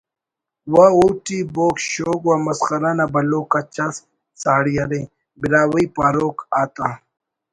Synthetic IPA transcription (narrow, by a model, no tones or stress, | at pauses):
waoːʈiboːkɕoːɡwamɐskɐɾanabɐloːkat͡ʃas | saːɽiɐɾẽ | biɾaːwɐipaːɾoːkaːt̪a